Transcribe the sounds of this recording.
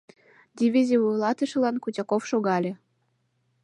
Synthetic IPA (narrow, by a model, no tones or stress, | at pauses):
d̪ʲivʲizʲivulˠɑt̪ɤ̆ʃɤ̆lɑnkutʲɑkofʃoɣɑlʲĕ